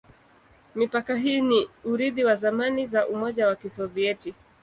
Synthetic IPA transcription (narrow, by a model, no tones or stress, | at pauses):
mipakaɦiːniuɾiðiwazamanizaʔumɔʄawakisɔviɛti